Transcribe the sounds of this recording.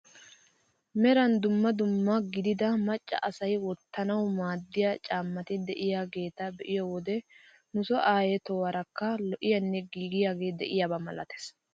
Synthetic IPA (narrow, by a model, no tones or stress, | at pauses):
mɛɾɐnd̪ʊmːɐd̪ʊmːɐɡɪd̪ɪd̪ɐmɐt͡ʃʼːɐ̰ʔɐsɐjwɔt̪ːɐnɐwmaːd̪ːɪjat͡ʃʼaːmːɐt̪ɪd̪ɛʔɪjaːɡe̞ːt̪ɐbɛʔɪjɔwɔd̪ɛ | nʊsɔʔaːjɛt̪ɔwɐɾɐkːɐlɔʔɪjɐnːɛɡiːɡɪjaːɡe̞ːd̪ɛʔɪjabɐmɐlɐ̰t̪ɛ̥s